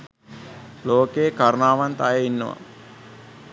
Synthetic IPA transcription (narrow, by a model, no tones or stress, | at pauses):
loːkejkaɾnaːʋant̪ajeinːəʋa̰